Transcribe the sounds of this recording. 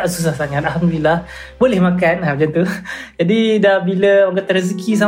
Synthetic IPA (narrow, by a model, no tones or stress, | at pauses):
aʔsus̬ahsaŋat̪ʔalhamd̪ulilah | bolɛhmakanad͡ʒant̪ud͡ʒadidahbiləoŋɡat̪ːaɾəs̬kis̬a